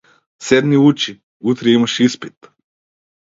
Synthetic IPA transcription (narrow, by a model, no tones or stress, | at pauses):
sɛd̪miut͡ʃi | ut̪ɾɛimɐʃispit̪